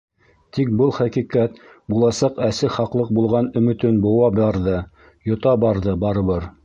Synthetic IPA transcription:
t̪ik̚bɤlˠχæqiqæt̪ | bulˠɑsɑqæsɘχɑqlˠɤq̚bulˠʁɑnɵ̆mɵ̆t̪ɵnbŏwɑbɑɾðɤ | jŏt̪ɑbɑɾðɤbɑɾɤ̆βɤɾ

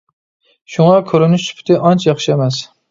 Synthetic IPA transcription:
ʃʊŋɑkʲʰɵɾɪnɪʃsʊ̥pʰt̪ʰɪʔɑnt͡ʃʰjɑχʃɪemæs

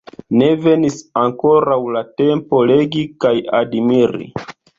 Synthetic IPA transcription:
ne̞ve̞nisaŋko̞ɾawlate̞mpo̞le̞ɡikajadmiɾḭ

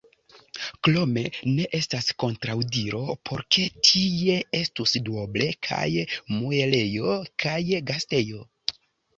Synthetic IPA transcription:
klo̞me̞ne̞ʔe̞stasko̞ntɾawdiɾo̞pʰo̞ɾkʰe̞tʰie̞e̞stusdoble̞kʰa̰jmue̞le̞jo̞kʰajɡaste̞jo̞

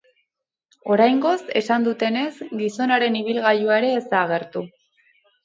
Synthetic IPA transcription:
o̞ɾajŋɡo̞se̞sand̪ut̪e̞ne̞sɡiso̞naɾe̞niβ̞ilɣajuaeɾe̞ːsaɣ̞e̞ɾt̪u

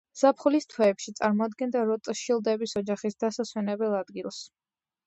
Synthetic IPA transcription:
z̥apʰχulist̪ʰwɛːpʃit̪sʼaɾmɔad̪ɡɛnd̪aɾɔt̪ʼʃilˠd̪ɛbisɔd͡ʒaχisd̪asaswɛnɛbɛlˠad̪ɡilˠs

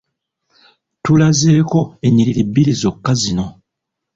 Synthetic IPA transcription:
tulaze̞ːko̞e̞ɲiɾiɾebːilizo̞kːazino̞

